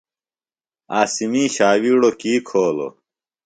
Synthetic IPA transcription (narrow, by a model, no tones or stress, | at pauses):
aːsimĩːɕaːwiːɽokiːkʰoːlo̰